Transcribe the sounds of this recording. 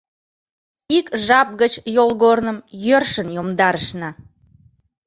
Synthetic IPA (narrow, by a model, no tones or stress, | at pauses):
ikʒɑp̚ɣət͡ɕjolˠɣornəmjørʃənjomd̪ɑɾəʃnɑ